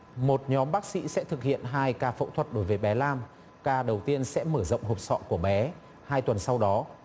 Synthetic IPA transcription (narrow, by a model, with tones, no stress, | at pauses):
mo˨˩t̚ɲɔ˨˦mɓaː˦˥k̚sḭ˧˥sɛ̰˧˥t̪ʰɨ˨˩k̚hḭ˧˨ənɦaː˧jkaː˧fə̰˧˥wt̪ʰwə˨˩t̚ɗo˨˦jvəː˨˦jɓɛ˨˦laː˧m | kaː˧ɗə˨˩wt̪i˧ənsɛ̰˧˥məː˧˩zə̰˧˨wŋ͡mɦo˨˩p̚sɔ̰˧˨ku˧˩əɓɛ˨˦ | haː˧jt̪wə˨˩nsa˧wɗɔ˨˦